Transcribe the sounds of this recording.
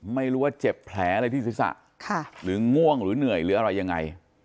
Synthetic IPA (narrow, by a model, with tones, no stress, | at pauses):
ma˥˩jɾuː˦˥waː˥˩t͡ɕe˨˩pʰlɛː˩˥ʔa˧ɾa˧jt̪ʰiː˥˩si˨˦˥sa̰˨˩ʔ | kʰa˥˩ɾɯː˩˦ŋu˥˩əŋɾɯː˨˩˦nɯ˨˩əjɾɯː˨˩˦ʔa˧ɾa˧jːa˧ŋːa̰˧j